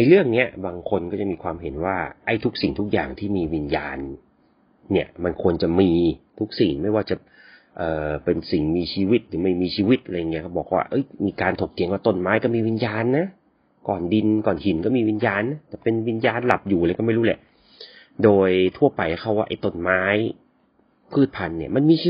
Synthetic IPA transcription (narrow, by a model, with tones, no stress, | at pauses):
na˧jlɯ˥˩əŋni˦˥ɐbaː˧ŋkʰo˧nkɔː˥˩t͡ɕa˨˩miː˧kʰwaː˧mɦe˨˩˦nwaː˥˩ʔa˧˩jt̪ʰu˦˥k̚si˨˩ŋt̪ʰu˦˥k̚ja̰ː˨˩ŋt̪ʰiː˥˩miː˧wi˧njaː˧nː | i˦˥˩ɐma˧nkʰu˧ənt͡ɕa˨˩miː˧t̪ʰu˦˥k̚si˨˩ŋma˥˩jwaː˥˩t͡ɕa˨˩ | ʔɤː˨˩pe˧nsi˨˩ŋmiː˧t͡ɕʰiː˧wi˦˥t̪̚lɯː˩˦ma˥˩jmiː˧t͡ɕʰiː˧wi˦˥t̪̚ʔa˧ɾa˧jːŋi˦˥kʰa˥˩bɔː˨˩k̚wa̰ː˥˩ʔɤ˦˥jmiː˧kaː˧nt̪ʰo˨˩k̚t̪ʰi˨˦ŋwaː˥˩t̪o˧˩nmaː˦˥jkɔː˥˩miː˧wi˧njaː˧nːa˦˥ | kɔː˨˩ndi˧nkɔː˨˩nhi˩˦nkɔ˥˩miː˧wi˧njaː˧nːa˦˥t̪ɛː˨˩pe˧nwi˧njaː˧nla˨˩p̚juː˨˩la˧˦kɔ˥˩ma˥˩jɾu˦˥lɛ̰˨˩˦ʔ | doː˧jt̪ʰu˥˩ɐpa˧jʔa˧˩kʰa˥˩waː˥˩ʔa˨˩jt̪o˧˩nmaː˦˥j | pʰɯː˥˩t̪̚pʰa˧nːi˥˩ɐma˧nmiː˧t͡ɕi˧